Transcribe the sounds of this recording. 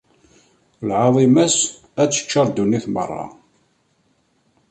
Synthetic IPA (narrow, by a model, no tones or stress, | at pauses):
lʕɑðˤimæs | æt͡sːə̥t͡ʃːɑɾˤd̪unːiθmə̰rˤːɑ̰